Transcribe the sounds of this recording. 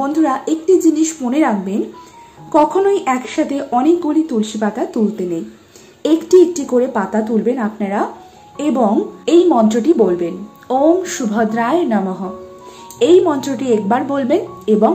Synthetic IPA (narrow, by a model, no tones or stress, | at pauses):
bond̪ʱuɾaʔek̚ʈid͡ʑiniʃfoneɾak̚ʰben | kɔkʰonojʔɛkʃat̪ʰeʔɔnek̚ɡulit̪ulʃipat̪at̪ult̪enej | ekʈiek̚ʈikoɾepat̪at̪ulbenapnaɾa | eboŋejmɔnt̪ɾoʈibolben | omʃubʱod̪ɾaenamɔɦo | ejmɔnt̪ɾoʈiek̚baɾbolbeneboŋ